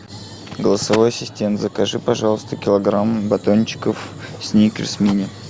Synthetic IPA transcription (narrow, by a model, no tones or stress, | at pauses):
ɡəlˠəsɐvojɐsʲɪsʲtʲent̪zəkɐʐɨpɐʐɑlˠəst̪əkʲɪlˠɐɡɾambɐt̪onʲt͡ɕːɪ̥kəfsʲnʲikvʲɪ̰smʲinʲɪ